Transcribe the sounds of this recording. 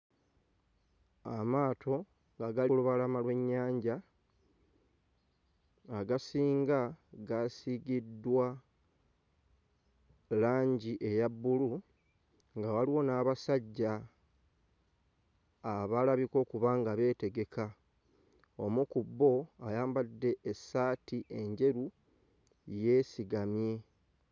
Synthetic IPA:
a̰maːtʰo̞ | ŋɡaɡailuβalamalwe̞ɲːaːɲɟa | ɡasiːŋɡaɡasiɡidːwa | laːɲɟiʔe̞jabːulu | ŋɡawaliwo̞naːβasaɟːa | βalaβiko̞ːkuβaːŋɡaβe̞ːte̞ɡe̞ka | o̞mukubːo̞ajaːmbadːe̞ʔːsaːtiʔe̞ɲɟe̞ɾu | je̞ːsiɡamje̞

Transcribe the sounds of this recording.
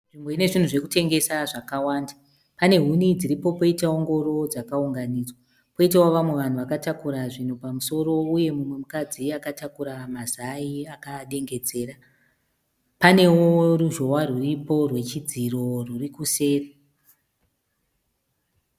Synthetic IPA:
nʐimbo̞ine̞ʐin̤uʐe̞kute̞ŋɡe̞saʐakawaːnda | pane̞ɦunid͡ziɾipo̞po̞itaoŋɡo̞ro̞d͡zakauŋɡaniːd͡zwa | po̞it̬awoʋamwe̞ʋan̤uʋakatakuɾaʐin̤upamuso̞ɾo̞uje̞mumwe̞mukad͡ziakatakuɾamazaiakaɗe̞ŋɡe̞d͡ze̞ːra | pane̞woruʒo̞waruripo̞rwe̞t͡ʃid͡ziro̞rurikuse̞ːre

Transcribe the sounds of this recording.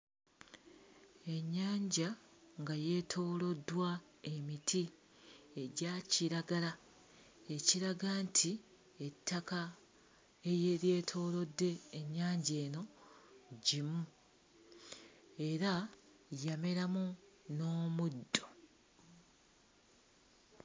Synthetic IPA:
e̞ɲːaːɲɟaŋɡaje̞tʰo̞ːlo̞dwa | e̞mitʰi | e̞ɟaciɾaɡala | e̞ciɾaɡaːntʰi | etʰːaka | ejeɾje̞ːtʰo̞ːlo̞dːe̞ːɲːaːɲɟe̞ːno̞ | ɟimu | e̞ɾa | jame̞ɾamu | no̞ːmudːo

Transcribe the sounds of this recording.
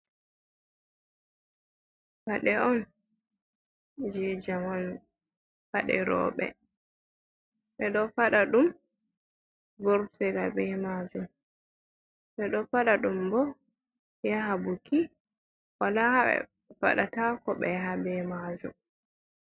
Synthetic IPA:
baɗɛɔn | d͡ʒɛd͡ʒaman | faɗɛ̰ɾɔ̰ːɓɛ̰ | ɓɛɗɔfaɗaɗum | ɡɔɾsɛlabɛmaːd͡ʒum | ɓɛɗɔfaɗaɗumbɔ | jaɦabuki | walahɛ̰ | fa̰ɗatakɔɓɛɦabɛmad͡ʒṵm

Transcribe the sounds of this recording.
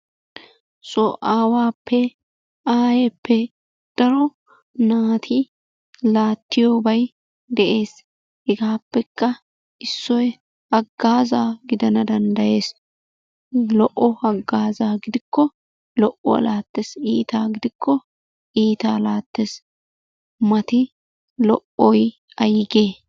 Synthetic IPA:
sʼɔʔaːwaːpʰːɛ | ʔaːjɛpːɛ | d̪̥ɐɾɔ | naːt̪ʰi | laːt̪ːɪjobɐj | d̪ɛʔe̞ːs | hɛɡaːpːɛkːɐ | ɪsːɔj | hɐɡːaːzaːɡɪd̪ɐnɐd̪ɐnd̪ɐje̞ːs | lɔʔːɔhɐɡːaːzaːɡɪd̪ɪkːɔ | lɔʔɔ̰ɐ̰laːt̪ːesiːt̪aːɡɪd̪ɪkʰːɔ | ʔiːt̪aːlaːt̪ːes | mɐt̪ɪ | lɔʔɔj | ɐjɪɡeː

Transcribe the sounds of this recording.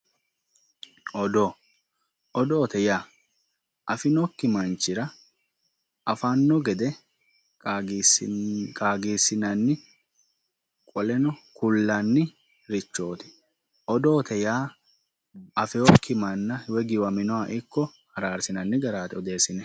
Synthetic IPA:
ɔd̪o | ʔɔd̪ɔːt̪ɛjaː | ʔɐfɪnɔkːɪmɐnt͡ʃɪɾɐ | ʔɐfanːɔɡɛd̪ɛ | skʼaːɡiːsːɪnɐnːɪ | kʼɔlɛnɔkʊlːanːɪ | ɾɪt͡ʃːo̞ːt̪ɪ̥ | ʔɔd̪oːt̪ɛjaː | ɐfɛɔkʰːɪmɐnːɐhɪwɛɡɪwɐmɪnɔwaʔɪkːɔhɐɾaːɾsɪnɐnːɪɡɐɾaːt̪ɛɔd̪e̞ːsɪnɛ

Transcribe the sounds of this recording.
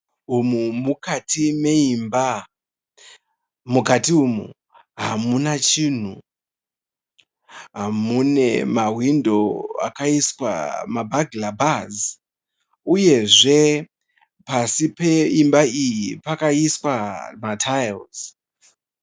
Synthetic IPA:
umumukatʰimeimba | mukatiumṵ | ɦamunat͡ʃiːn̤u | ɦamune̞mawindoa̰kaiswa̰mabʱaɡlabaz | uje̞ʐe̞ | pasipe̞imbaijipakaiswamatʰajlz̥

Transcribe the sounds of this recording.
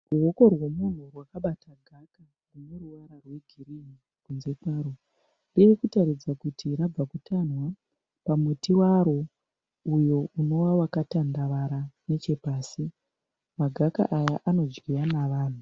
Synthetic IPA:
ruwo̞ko̞rwo̞mun̤urwakaɓatʰaɡʱaka | rune̞ruwaɾarwe̞ɡʱirii | kunze̞paːɾo | riikutaɾid͡zakutʰiɾab͡vakutanwa | pamutiwaɾo̞ | ujo̞uno̞wawakatandaʋaɾane̞t͡ʃe̞paːsi | maɡʱaka̰ʔajaʔano̞d͡ʒɡijanaʋaːn̤u

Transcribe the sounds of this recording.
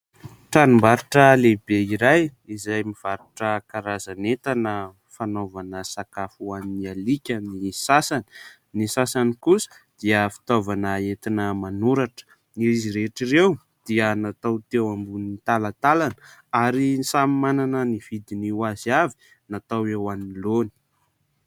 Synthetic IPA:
ʈ͡ʂanumbaɾuʈ͡ʂəlebeiɾajizajmiv̥aɾuʈ͡ʂəkaɾazanet̪anə | fanovanəsakafuaminialikʲənisasani̥ | nisasanikusə̥ | d̪̥iəfi̥t̪ovanəet̪inəmanuɾaʈ͡ʂə̥ | iiziɾeʈ͡ʂirew | d̪̥iənat̪awt̪ewambunit̪alat̪alanəaɾisamimananəniv̥id̪iniwaziavi̥ | nat̪awewaminloni̥

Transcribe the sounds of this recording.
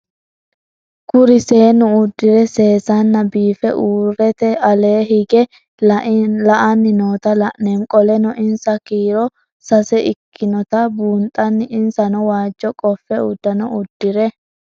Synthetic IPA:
kʊɾɪse̞ːnʊʊd̪ːɪɾɛse̞ːsɐnːɐbiːfɛ̰ʔuːrːɛt̪ɛɐle̞ːhɪɡɛ | lɐʔɐnːɪnoːt̪ɐlɐʔnɛŋkʼɔlɛnɔʔɪnsɐkiːɾɔ | sɐsɛʔɪkʰːɪnɔt̪ɐbuːnt̪ʼːɐnːɪɪnsɐnɔwaːd͡ʒːɔkʼɔfːɛʊd̪ːɐnɔʊd̪ːɪɾɛ

